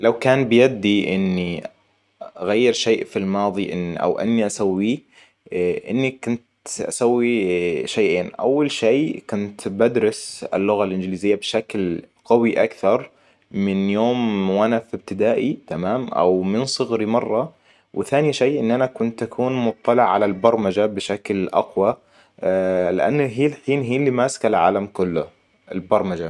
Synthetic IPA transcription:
lawkaːnbɪjad̪ːiʔɪ̰nːi | aɣajːɪɾʃeːʔfilmɑːðˤiʔɪnʔa̰wʔɪ̰nːiʔasawːiː | ʔɪ̰nːikʊnt̪ʔa̰sawːiʃajʔeːnʔa̰wːalʃeːkʊnt̪bad̪ɾɪsɪ̰lːʊɣalʔɪnd͡ʒɪliːzɪjːabʃaklqawiʔa̰kθɑɾˤ | mɪnjoːmwanafɪb̚t̪ɪd̪aːʔit̪amaːmʔa̰wmɪnsˤɨɣɾimɑrˤːɑ | wɪθaːniʃaːʔɪnːʔanakʊnt̪ʔakʰuːnmʊt̪ˤːɑlɪʕʕalalbɑɾˤmad͡ʒabɪʃaklʔa̰qwa | lɪʔa̰nːaɦiːlħiːnɦiːnlːimaːskalʕa̰ːlamkʊlːʊ | ɪlbɑɾˤmad͡ʒa

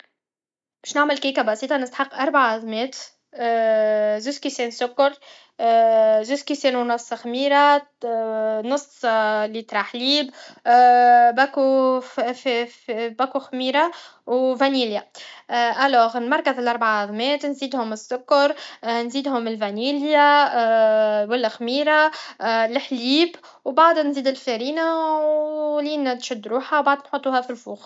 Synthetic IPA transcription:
bɛːʃnaʕməlkikabɑsiːt̪ˤɑnəst̪aħɑqːʔɑɾˤbaʕaʔɑðˤmɛːt̪ː | zuzkisɛːnsʊkːʊɾˤ | zuzkisɛːnunɑsˤːxmiːɾa | nʊslit̪ɾˤɑːħliːb | bæku | bækuxmiːɾa | wvæniːlja | ʔælːɔːɣɪlmɑɾˤkəzɪlʔɑɾˤbaʕaðˤmɛːt̪nziːd̪hʊmɪsːʊkːɑɾˤnziːd̪hʊmɪlvæniːlja | wælːæxmiːɾalɪħliːb | wbaʕd̪nziːd̪ɪlfæɾiːnawliːnt̪ʃʊd̪ːɾuːħawbaʕd̪nħut̪ˤːuːhæfilfuːx

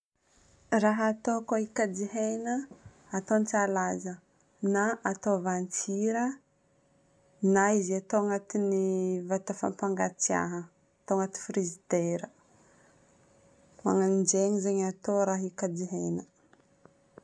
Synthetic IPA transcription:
raɦaːt̪okoikad͡ʒiɦenəː | t̪ont͡salazə | naat̪ovant͡siɾə | naiziat̪oŋat̪inivat̪afa̰mpaŋɡat͡sia̰ɦə | t̪oŋat̪i̥frizit̪eɾə | maŋand͡ʒeɲizeɲat̪oɾaɦikad͡ʒiɦenə

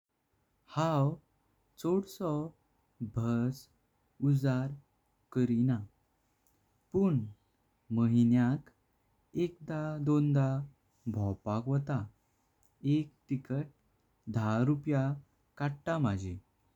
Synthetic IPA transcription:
haw | t͡soɽsɔ | bʱəs | ud͡zaɾ | kəɾina | puɳ | məɦinjãk | ekd̪ad̪ond̪a | bʱɔwpakʋɔt̪a | ek̚ʈikəʈ̚ | d̪ʱaɾupja | kaɽʈ̪amad͡ʑʱi

